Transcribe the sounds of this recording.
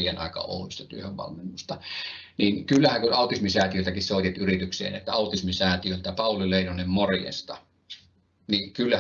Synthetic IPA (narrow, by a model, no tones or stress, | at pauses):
ijenʔɑ̰ˑekɑ̰o̰ˑulist̪ɑt̪yøhøʋʋɑ̰lmenːust̪ɑ | ninkylːæhæŋkunɑˑut̪ismisæːˑt̪iøˑlt̪ækissoˑit̪et̪yrit̪yksḛːnḛt̪ːæɑˑut̪ismisæːˑt̪iøˑlt̪æpɑˑulileˑinonːemmorjḛst̪ɑ | nikylːæ